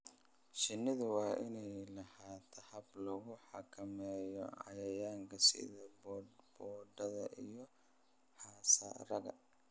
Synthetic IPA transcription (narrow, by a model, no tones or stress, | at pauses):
ʃɪnːɪðʊwɑːʔɪnɛjlɐhaːt̪ʰɐhɐblɔɣʊħɑ̰kʰɐmɛːjɔʕɑ̰jɐjaːŋkʰɐsɪ̰ðɐbbɔːɖɐðɐʔijɔ | ħɑːsɐ̰rɐɣɐ̰